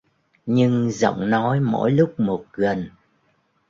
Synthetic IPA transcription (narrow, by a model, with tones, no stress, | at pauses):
ɲɨ˧ŋzə̰˧˨wŋ͡mnɔ˨˦jmo̰˧˥jlʊ˦˥k͡p̚mo˨˩t̚ɣə˨˩n